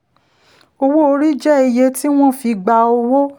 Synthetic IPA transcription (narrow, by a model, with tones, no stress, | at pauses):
o˧wo˦o˧ɾi˦d͡ʒɛ˦i˧je˧ti˦w̃ɔ̃˦˨fi˨˧ɡ͡ba˧o˧wo˦